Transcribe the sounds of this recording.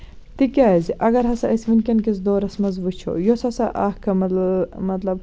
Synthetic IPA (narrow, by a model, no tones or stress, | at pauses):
t̪ikʲaːziʔɐɡɐɾɦɐsɐʔɐsʋinkʲɐnkisd̪oːɾɐsmɐzʋɨt͡ʃʰo̰josɐsɐʔɐhkʰɐmɐlmɐt̪lɐb̚